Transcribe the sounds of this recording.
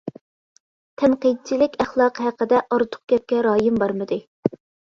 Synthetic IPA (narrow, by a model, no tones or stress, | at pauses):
t̪ʰɛmqid̪̚t͡ʃʰilɪkʲæχlˠɑqɦæqəd̪ɛʔɑɾt̪ʰʊ̥q̚ɡʲɛp̚kʲɛɾɑːjɪmbɑɾmɨd̪ɨ